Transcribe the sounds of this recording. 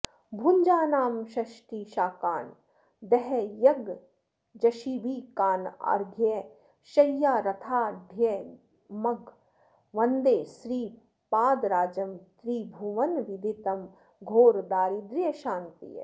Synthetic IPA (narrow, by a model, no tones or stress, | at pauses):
bʱuɲd͡ʒaːnaːmʃɐʃʈiːʃaːkaːn | d̪ɛɦɛjɐɡ | d͡ʒɐʃiːbiːkaːnɐ̰ɾɡʱje | ʃɐjːaːɾɐt̪ʰaːɖʱje | mɐɡ | ʋɐnd̪eːsɾiː | paːd̪ɾaːd͡ʒɐmt̪ɾiːbʱuʋɐnʋid̪ʱit̪ɐm | ɡʱoːɾd̪aːɾid̪ɾijɐʃaːnt̪ḭj̰